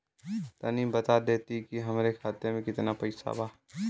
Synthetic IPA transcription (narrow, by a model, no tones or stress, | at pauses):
t̪ɐnimbət̪ad̪eːt̪ikiɦɐmɾekʰaːt̪emẽkɪt̪napɐɪsa̰baː